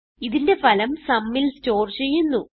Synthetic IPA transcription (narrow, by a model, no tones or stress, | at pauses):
iðinde̞fɐlɐmsɐmːilsto̞ːrt͡ɕe̞jːunːu